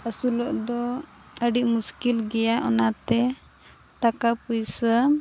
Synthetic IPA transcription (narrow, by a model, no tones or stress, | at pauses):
əsulɔʔd̪ɔ | əɖiʔmuskilɡɛjaʔɔnat̪ɛ | t̪akapujsə